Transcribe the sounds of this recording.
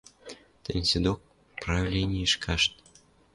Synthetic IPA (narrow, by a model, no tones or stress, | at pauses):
t̪ə̰nʲsʲed̪ok̚ | pravʲlʲenʲiiʃkʰɑʃt̪̚